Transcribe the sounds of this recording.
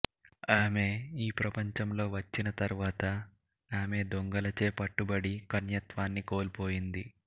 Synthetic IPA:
aːme̞iːpɾɐpɐɲt͡ʃɐmlo̞ːʋɐt͡ʃːinɐt̪ɐɾuʋaːt̪ɐ | aːme̞ːd̪oŋɡɐlɐt͡ʃe̞ːpɐʈːubɐɽikɐnjɐt̪ʋaːnːiko̞ːlipo̞ːjind̪i

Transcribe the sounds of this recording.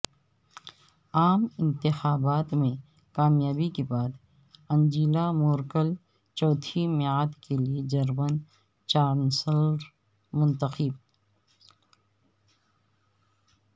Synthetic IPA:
aːmɪ̃nt̪ɪxaːbaːt̪mẽ | kaːmjaːbikebaːd̪ | ɐ̃nd͡ʒiːlamoːɾkəl | t͡ʃɔːt̪ʰimeaːd̪kelied͡ʒɐɾmən | t͡ʃaːɾnsəlɾ | mʊ̃nt̪əxib̚

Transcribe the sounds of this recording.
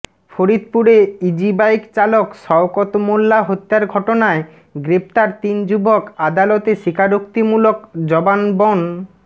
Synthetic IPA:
foɾid̪̚puɾeid͡ʑibajkt͡ɕalokʃɔwkɔt̪omolːaɦot̪ːaɾɡʱɔʈonae | ɡɾept̪aɾt̪ind͡ʑubʱokad̪alɔt̪eʃikʰaɾokt̪imulokd͡ʑɔbanbɔn

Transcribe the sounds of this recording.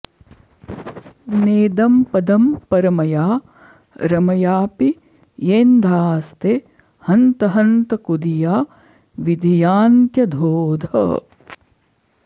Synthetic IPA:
neːd̪ɐmpɐd̪ɐmpɐɾɐmɐjaː | ɾɐmɐjaːpi | jeːnd̪ʱaːst̪e | hɐnt̪ɐɦɐnt̪ɐkud̪ijaː | ʋid̪ʱijaːnt̪jɐd̪ʱoːd̪ʱɐ̰

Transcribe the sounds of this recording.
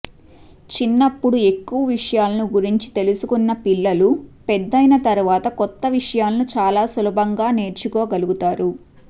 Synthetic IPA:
t͡ʃinːɐpːuɽue̞kːuʋɐʋiʂɐjaːlɐnuɡuɾiɲt͡ʃi̥t̪e̞lusukunːɐpilːɐlupɛd̪ːɐjnɐt̪ɐɾuʋaːt̪ɐkɔt̪ːɐʋiʂɐjaːlɐnut͡ʃaːlaːsulɐbʱɐŋɡaːne̞ːɾt͡ʃukoːɡɐluɡut̪aːɾu

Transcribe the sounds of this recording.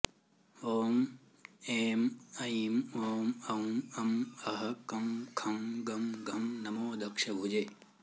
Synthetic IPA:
oːm | eːmɐimoːmɐmɐmɐɦɐkɐmkʰɐmɡɐmɡʱɐmnɐmoːd̪ɐkʂɐbʱud͡ʒe

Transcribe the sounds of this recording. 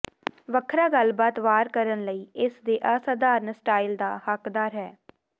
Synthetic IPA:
ʋəkʰɾaːɡəlbaːt̪ʋaːɾkəɾənləiːɪsd̪eːʔəːsad̪aːɾnsʈaːild̪a̰ːhəkd̪aːɾɦɛː

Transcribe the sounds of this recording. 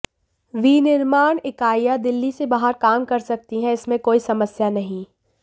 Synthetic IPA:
ʋiːnɪɾmaːɳɪkaːijad̪ɪlːisebaːɦəɾkaːmkɐɾsɐk̚t̪iɦɛ̃ɪsmẽkoːisɐməsjanɐɦĩ

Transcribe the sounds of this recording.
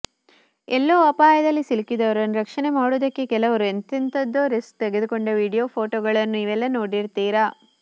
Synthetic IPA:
ɛlːoɐpaːjɐd̪ɐlːisilikid̪ɐʋɐɾɐnːɾɐkʂɐnemaːɽud̪ɐkːe̞kɛlɐʋɐɾuent̪int̪ɐd̪ːoːɾisk̚t̪eɡed̪ukoɳɖɐʋiːɽijoːpʰoːʈoːɡɐɭɐnːuiʋɛlːɐnoːɽiɾt̪iːɾɐ

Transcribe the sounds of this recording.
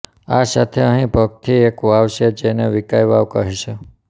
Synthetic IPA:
asat̪ʰeəɦĩbʱəɡ̚t̪ʰiekʋaʋʃed͡ʒeneʋikajʋaʋkəɦeʃʰe

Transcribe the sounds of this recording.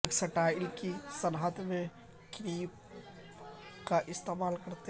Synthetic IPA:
ksəʈaːɪlkisənɦat̪mẽ | kɾiːp | kaʔɪst̪eːmaːlkɐɾt̪e

